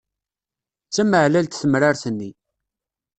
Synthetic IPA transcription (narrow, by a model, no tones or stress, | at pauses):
t͡sːæməʕlælt̪θəmɾaɾθənːi